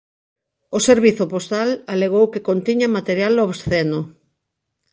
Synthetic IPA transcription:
oseɾβiθʊpost̪alaleɣ̞owkekont̪iɲamat̪eɾjaloβsθeno

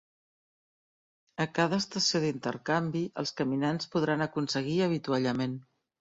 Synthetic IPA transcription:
əkaðəːst̪əsioðint̪ə̰ɾkambiʔə̰lˠskəminanspuð̞ɾanəkunsəɣ̞iəβ̞it̪uaʎəmen

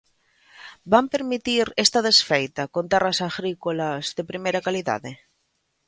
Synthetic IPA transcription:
bampeɾmit̪iɾest̪að̞esfejt̪akont̪erasaɣɾikolazðepɾimejɾakaliða̰ðe

